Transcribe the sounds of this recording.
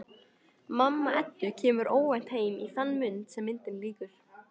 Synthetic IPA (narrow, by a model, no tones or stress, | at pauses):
mamːaɛt̪ːʏcʰɛːmʏɾoːwvan̥t̪heːjmiθanːmʏnt̪sɛmːɪnt̪ɪmliːkʏɾ̥